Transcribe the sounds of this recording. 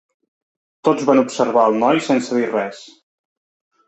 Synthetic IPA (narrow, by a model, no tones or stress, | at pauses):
t̪od͡zβanupsəɾβaəlˠnɔjsɛnsəðirɛs